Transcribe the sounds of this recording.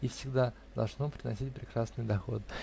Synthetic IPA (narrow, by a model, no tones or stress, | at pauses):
ifsʲɪɡd̪a | d̪ɐ̰lˠʐno̞pɾʲɪnɐsʲit̚ʲpɾʲɪkɾasnɨjd̪ɐxo̞̰t̪